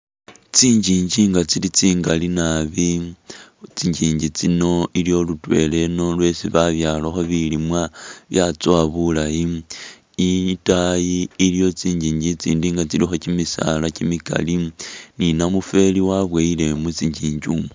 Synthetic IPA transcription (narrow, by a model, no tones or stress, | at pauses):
t͡siːɲɟiːɲɟiŋɡat͡silit͡siːŋɡalinaβi | t͡siɲɟiːɲɟit͡sino̞ʔilijo̞lutwe̞̰le̞no̞lwe̞siβaβjaloxo̞βilimwaβjat͡swaβulaji | itajiːlijo̞t͡siːɲɟiːɲɟit͡sḭːndiːŋɡat͡silixo̞cimisa̰lacimika̰lininamufe̞liwaβweile̞mut͡siɲɟiːɲɟuːmo